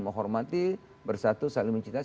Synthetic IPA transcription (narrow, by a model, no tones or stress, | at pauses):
məɦɔrmat̪i | bərsat̪usaliməɲt͡ʃit̪a